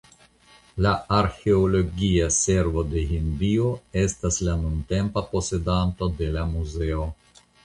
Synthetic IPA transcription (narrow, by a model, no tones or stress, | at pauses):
laaɾxe̞olo̞ɡiase̞ɾvo̞de̞ɦindio̞e̞staslanunte̞mpapo̞se̞danto̞de̞lamuze̞o̞